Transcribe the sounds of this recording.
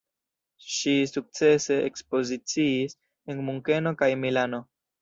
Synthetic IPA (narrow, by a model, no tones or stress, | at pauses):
ʃisuk̚t͡se̞se̞ekspo̞zit͡siːs | enmuŋke̞no̞kajmilano̞